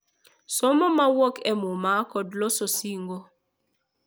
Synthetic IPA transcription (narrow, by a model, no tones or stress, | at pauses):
sɔmɔmawokɛmʊmakɔdlɔsosiŋɡo